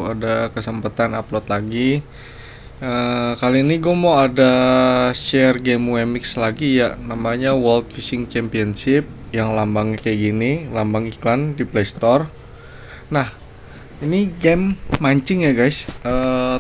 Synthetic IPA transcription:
adakəsəmpat̪anaplɔt̪laɡi | əkaliːniɡuamawadaʃɛrɡɛmuemɪkslaɡijanamaɲawəlt̪̚fisɪŋt͡ʃɛmpiənsɪp̚jaŋlambaŋɲakajaɡinilambaŋiklandiplest̪ɔr | nah | iniɡɛmːaɲt͡ʃɪŋjaɡajsə

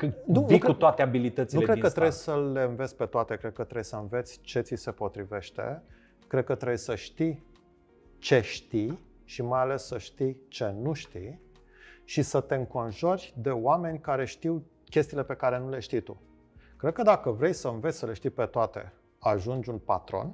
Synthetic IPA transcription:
kɨnuniukut̪oat̪eabilit̪ət̪siniukɾe̞d̪̚kət̪ɾejsəle̞ɨnvet̪sʲpe̞t̪oat̪e̞kɾed̪̚kət̪ɾejsəɨnve̞t̪sʲt͡ʃe̞t̪sise̞po̞t̪ɾive̞ʃt̪ḛ | kɾe̞d̪̚kət̪ɾejsəʃt̪i | t͡ʃe̞ʃt̪i | ʃimajale̞sːəʃt̪it͡ʃe̞nuʃt̪ij | ʃisət̪e̞ɨŋko̞nʒo̞ɾʲd̪e̞wame̞nʲkaɾe̞ʃt̪iw | kʲe̞st̪iːlepe̞kaɾe̞nule̞ʃt̪ijt̪u | kɾed̪̚kəd̪akəvɾe̞jsəɨnvesʲsəle̞ʃt̪ipe̞t̪oat̪e̞̰ | aʒund͡ʒʲunpat̪ɾo̞̰n

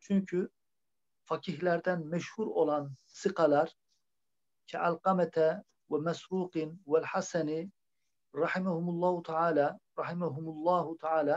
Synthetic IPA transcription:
t͡ʃʰyɲcʰy | fɑkʰiɦlæɾd̪ænmɛʃhuɾolˠɑn | sɨqɑlɑɾ | cʰɛ̰ʔalqɑmæt̪ʰæ | wæmæsɾuːqɨnwælħasæni | ɾˤɑħɪmahumulˠːɑːhut̪ʰaʕaːlaɾˤɑħɪmaɦumulˠˤːɑːhut̪ʰaʕaːla

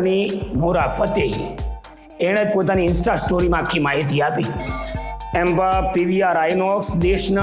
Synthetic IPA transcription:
niɡuɾafət̪ej | eɽ̃ed͡ʒ̪̚pot̪̬aniɪnsʈasʈoɾimãakʰːimaɦit̪̬iapi | ɛmbapiʋiaɾajnɔksd̪eʃna

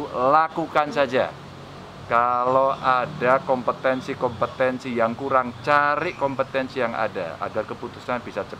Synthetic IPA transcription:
lakukansad͡ʒa̰ | kaloʔadakɔmpət̪ɛnsikɔmpət̪ɛnsijaŋkuɾaŋt͡ʃaɾɪʔkɔmpət̪ɛnsijaŋa̰da̰a̰ɡarkəput̪u̥sanbisat͡ʃə

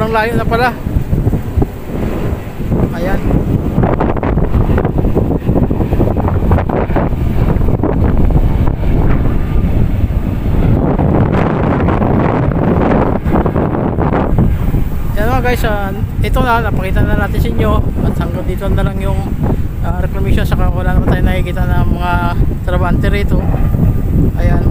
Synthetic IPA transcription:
aŋlaːjoʔnɐpɐla | ʔɐjan | janmaɡajsa | ʔɪt̪onɐnɐpɐkiːt̪ɐnnɐnaːt̪ɪnsɐʔɪɲːo̞ʔɐt̪hɐŋɡɐd̪iːt̪onːɐlaŋjʊŋaɾɛklɐmiːʃonsɐkawɐlaːnɐmant̪aːjonɐkɪkiːt̪ɐnɐŋmɐŋat̪ɾɐbaːhant̪ɛɾiːt̪o̞ | ʔɐjan

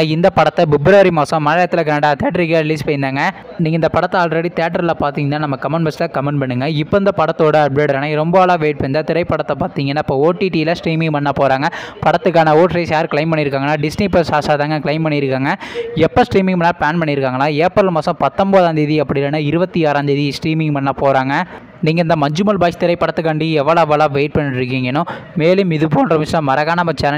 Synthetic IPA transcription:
ɪnd̪ɐpɐɽɐt̪ːɐbɪbɾoːɐɾimaːsɐ̃mɐnɐjɐt̪ːɪlɐk̬ɐnɐɽaːt̪eːʈːɐɾɪkːɐɪliːspɐjɪnd̪aːŋɡɐ | niːŋɡɐɪnd̪ɐpɐɽɐt̪ːɐaːlɾɐɽit̪eːʈːɐɾlɐpaːɾt̪iːŋɡɐnːaːnɐmːɐkɐmɐnbɐslaːkɐmɐɳɖpɐɳːɯŋɡɐɪpːoːɪnd̪ɐpɐɽɐt̪ːoːɽɯɐɾeːɽɾaːnaɾɔmbɐɐlaːʋeːʈ̚pɐɲd̪aːt̪ɪɾɐɪpːɐɽɐt̪ːɐpaːɾt̪iːŋɡɐnːaːɪpːooːʈːiʈiɪlɐsʈɾiːmɪŋpɐɳːaːpoːɾaːŋɡɐpɐɽɐt̪ːɯkːaːnɐoːʈɾɐɪsjaːɾkɪɭɐɪmpɐɳːɪɾɯkːaːŋɡɐnːaːɖɪsnipɐsaːsaːðaːŋɡɐkɪlɐɪmpɐɳːiɪɾɯkːaːŋɡɐɛpːɐsʈɾiːmɪ̃ŋɡɐnːaːpaːnpɐɳːiɾɯkːaːŋɡɐnaːeːpːɐɾɐlmɐːsɐ̃pɐt̪ːɐmboːðaːnd̪ɯɪðiɐpːɐɽɪlɐːnaɪɾɯbɐt̪ːiaːɾaːnd̪ɯɪðisʈɾiːmɪŋɡpɐɳːaːpoːɾaːŋɡɐ | niːŋɡɐɪnd̪ɐmɐɲd͡ʒɯmɐlbaːsi̥t̪ɪɾɐɪpːɐɽɐt̪ːɯkːɐɳɖiɛʋːɐɭɐʋɐɭaːʋeːʈ̚pɐɳːɪɾɯkːiːŋɡɐnʊ̃meːlɯmɪðɯpoːnɖrɐmɪslɐ̃mɐɾɐɣaːnɐmɐt͡ʃːaːnɐ

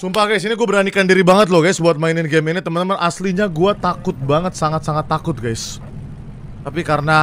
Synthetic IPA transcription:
sumpaɡajsiniɡuabəɾanikandiɾibaŋət̪̚lʊhɡajsbuat̪̚mainɪnɡɛminit̪əmənt̪əmənʔasliɲaɡuat̪akʊt̪̚baŋət̪saŋat̪̚saŋat̪ːakʊt̪̚ɡajs | t̪apikaɾəna

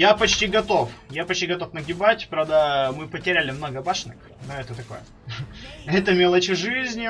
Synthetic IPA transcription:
japɐt͡ɕtʲiɡɐt̪o̞fjapɐt͡ɕtʲiɡɐt̪o̞fnəɡʲɪbatʲpɾavd̪əmɨpətʲɪɾʲælʲɪmno̞ɡəbaʂnɨ̰x | noɛt̪ət̪ɐko̞̰jə | ɛt̪əmʲelˠət͡ɕɪʐɨzʲnʲɪ

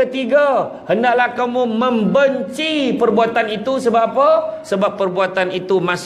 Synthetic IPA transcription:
ət̪iɡa | həndaklahkamumə̃mbəɲt͡ʃipərbuat̪anit̪usəbaapəsəbapːərbuat̪anit̪umas

